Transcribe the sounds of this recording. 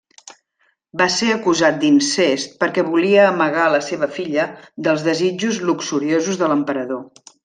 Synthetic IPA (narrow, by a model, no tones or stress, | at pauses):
baseəkuzat̪̚d̪insest̪̚pəɾkɛβuliəːməɣaləseβəfiʎəðəlˠzðəzid͡ʒuzluksuɾiozuzðələmpəɾəðo